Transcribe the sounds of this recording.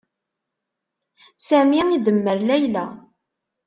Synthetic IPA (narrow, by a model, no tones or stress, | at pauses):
sæmiiðəmːəɾlæjlæ